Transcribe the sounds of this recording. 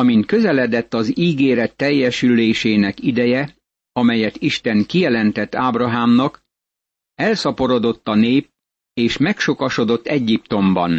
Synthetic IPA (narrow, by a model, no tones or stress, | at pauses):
ɒmint̪̚kø̞zɛlɛd̪ɛt̪ːɒziːɡeːɾɛt̪ːɛjːɛʃylːeːʃeːnɛkid̪ɛjɛ | ɒmɛjɛt̪iʃt̪ɛŋkijɛlɛnt̪ɛt̪ːaːbrɒɦaːmnɒk | ɛlsɒpo̞ɾo̞d̪o̞t̪ːɒneːp̚ | eːʃmɛkʃo̞kɒʃo̞d̪o̞t̪ːɛɟːipt̪o̞mbɒ̰n